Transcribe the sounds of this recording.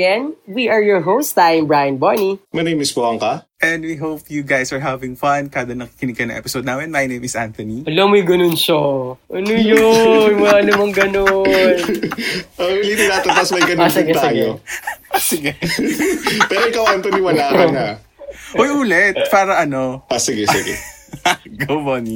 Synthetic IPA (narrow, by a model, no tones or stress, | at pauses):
ɛnwiʔɐɹjɔɹɦowst̪ãjmbɹajɐnbonimɐnejmɪspoʔɐŋkɐʔɛnd̪wiɦowp̚juɡajsɐɹɦavɪŋfɐnkaːd̪ɐnɐki̥kɪnɪɡ̚kɐnɐŋɛ̰pɪsod̪̚namɛnmɐjnejmɪsʔant̪ɔniɐlomʊjɡɐnʊnʃoʔɐnojomɐɐnʊmɐŋɡɐnon | ʔowilit̪ɪnaːt̪ɪnpɐsmɐjɡɐnɪnaɐjo | sɪɡɛ | pɛːɾoɪkawant̪oniwɐlaːkɐna | ʔojʔuːlɛt̪̚paːɾɐʔɐno̞ʔasɪɡɛsɪ̰ɡɛ̰ | ɡowboni